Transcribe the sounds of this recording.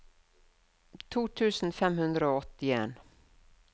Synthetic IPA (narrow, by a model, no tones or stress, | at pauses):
t̪ʰuːt̪ʰʉːsn̩fɛmhʉnd̪ɾəoːɔt̪ːɪeːn